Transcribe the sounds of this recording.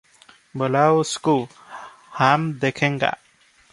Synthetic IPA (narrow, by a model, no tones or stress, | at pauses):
bəlawsku | hamd̪ekʰeŋɡa̰ʔ